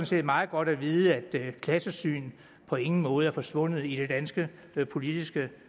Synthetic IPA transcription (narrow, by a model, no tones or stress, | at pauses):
nsḛːd̥mɑ̈ːð̩ˠɡ̥ɒ̽ɾ̥æʋiːðˠəæd̥kʰlæsəsy̰ːn | pʰɒ̽e̝ŋn̩mɔ̽ːð̞̩ˠæɐfɒ̽sʋɔ̽n̰ð̩ˠiɾ̥e̝d̥ænsɡ̥ə | pʰo̝lid̥isɡ̥ə